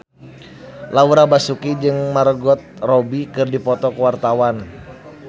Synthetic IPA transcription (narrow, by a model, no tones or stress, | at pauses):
lauɾabasukid͡ʒɨŋmarɡɔt̪̚robikɨrdipɔt̪ɔkəwart̪awan